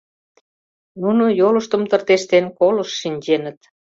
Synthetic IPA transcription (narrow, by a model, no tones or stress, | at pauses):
nunojolə̆ʃt̪ə̆mt̪ə̆rt̪eʃt̪enkolə̆ʃːinʲd͡ʑenə̆t̪